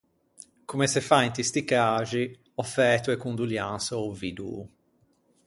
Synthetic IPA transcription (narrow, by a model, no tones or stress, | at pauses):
kumɛsɛfaint̪ist̪ikaːʒi | ɔfɛːt̪uɛkund̪uljansovid̪ṵ